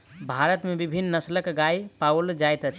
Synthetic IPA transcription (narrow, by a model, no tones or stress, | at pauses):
bʱaɾət̪mebibʱinːəsləkɡaipawld͡ʒajt̪ət͡ʃʰ